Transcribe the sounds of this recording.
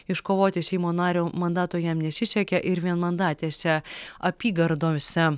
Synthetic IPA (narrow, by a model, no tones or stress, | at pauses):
ɪʃkoːʋoːt̪ʲɪsʲɛɪmoːnɑːɾʲoːmɐnd̪ɑːt̪oːjɛmnʲɛsʲɪsʲɛkʲɛʔɪɾʋʲiɛnmɐnd̪ɑːt̪ʲeːsʲɛɐpʲiːɡɐɾd̪oːsʲɛ